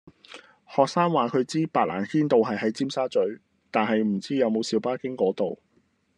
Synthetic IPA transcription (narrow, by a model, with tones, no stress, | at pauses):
hɔː˨k̚saː˥ŋwaː˨kʰɵ˨˧ɥt͡siː˥paː˨t̚la̰ː˨˩nhiː˥nt̪o˨wɦɐ˨jɦɐ˨˥jt͡siː˥msaː˥t͡ʃɵ˨˥ɥ | t̪aː˨nɦɐ˨jm̩˨˩t͡siː˥jɐ˨˧wmo˨˧wsiː˨˧wpaː˥kɪ˥ŋkɔː˨˥t̪o˨w